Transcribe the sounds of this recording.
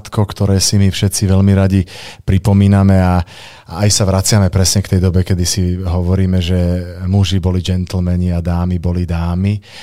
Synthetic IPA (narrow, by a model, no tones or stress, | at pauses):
t̪kɔkt̪ɔɾɛːsimifʃɛt̪st͡siʋɛʎmiɾaɟipɾipɔmiːnamɛa | ajsaʋɾat͡sɪamɛpɾɛsɲɛkt̪ɛjd̪ɔbɛkɛd̪isiɦɔʋɔɾiːmɛʒɛmuʒibɔlid͡ʒɛnt̪l̩mɛɲiad̪aːmibɔlid̪aːmi